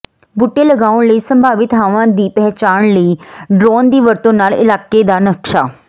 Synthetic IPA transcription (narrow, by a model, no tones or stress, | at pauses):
bʊʈːeːləɡaːʊɳləiːsəmbaːʋɪt̪ɦaːʋãːd̪iːpɛɦt͡ʃaːɳləiːɖɾoːnd̪iːʋəɾt̪õːnaːlɪ̰laːkeːd̪aːnəkʃaː